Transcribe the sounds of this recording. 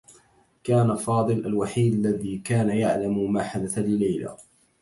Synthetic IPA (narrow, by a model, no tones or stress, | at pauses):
kaːnafɑːd̪ˤɨlʔalwaħiːd̪alːaðiːkaːnajaʕlammaːħad̪aθalɪlajla̰